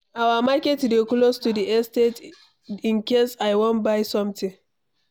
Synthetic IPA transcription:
ʔawamakʲetdeklostudiʔɛstet | ɪnkʲesajwɔnbajsɔmtɪŋ

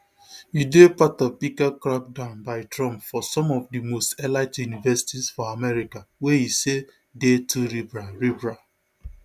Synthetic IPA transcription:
jidepatɔpikakɾak̚dãʊ̃nbaɪtɹɔ̃mpfɔsɔ̃mɔvdimostɛlaɪtjunivɛsi̥tizfɔamɛɾikawehise | detʰuɾibɹaɹibɹa

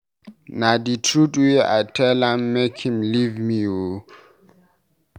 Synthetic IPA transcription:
naditʰɹutwia̰tʰɛlãmːekʰhĩmlivmiu

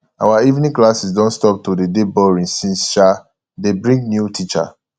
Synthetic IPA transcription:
awaivnĩŋklasisdɔ̃ntstɔp̚tudedebɔɹĩŋsĩnsʃa | debɹĩŋɡnjutʰit͡ʃa̰

